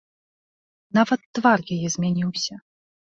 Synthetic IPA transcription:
navɐt̪ːvarjajɛzʲmʲanʲiwsʲɐ

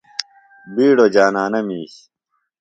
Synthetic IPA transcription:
biːɽod͡ʑaːnaːnɐmiːɕ

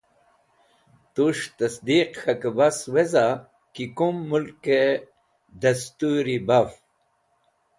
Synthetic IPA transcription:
t̪uʂt̪ɐsd̪iqxɐkebasweza | kikumːulke | d̪ɐst̪uɾibaf

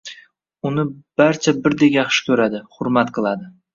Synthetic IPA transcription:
ʊnɪb̥aɾt͡ʃʰabɪɾd̪ekʲjɑχʃɪ̥kʰʲɵɾad̪ɪhʊɾmat̪qʰɨlˠad̪ɪ

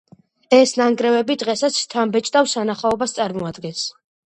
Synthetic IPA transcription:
ɛsnaŋɡɾɛvɛbid̪ʁɛsat̪sʰt̪ʰambɛt͡ʃʼt̪ʼafsanaχaɔbast̪sʼaɾmɔad̪ɡɛns

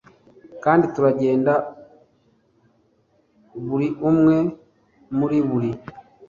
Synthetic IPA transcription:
kaːndituɾaɟeːnda | βuɾiʔumwe | muliβuli

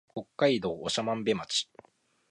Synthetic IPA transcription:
ko̞kːaid̪o̞ːoɕamãmbe̞mat͡ɕi̥

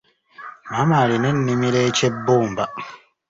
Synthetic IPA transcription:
mamaɾinɛnːimiɾɛt͡ʃebːoːmba

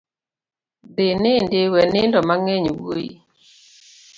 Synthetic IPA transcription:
d̪ɪnɪndɪwɛnɪndɔmaŋɛɲwoḭ

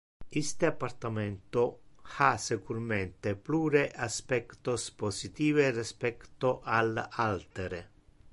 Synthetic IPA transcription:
ist̪eapːart̪ament̪oasekuɾment̪epluːɾeʔaspɛkt̪osposit̪iːverispɛkt̪oʔalalt̪eɾe

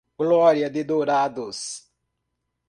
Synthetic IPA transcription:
ɡlɔɾjad̪ed̪oɾad̪os

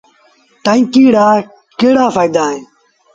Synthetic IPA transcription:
ʈ̪aːĩːkiːɽaː | keːɽaːfaːid̪aːɦẽː

